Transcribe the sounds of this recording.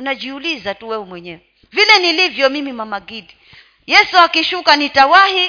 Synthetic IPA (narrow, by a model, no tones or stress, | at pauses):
unaʄiulizatuwɛumwɛɲɛwɛ | vilɛnilivjɔmimimamaɡidi | jɛsuakiʃukanitawahi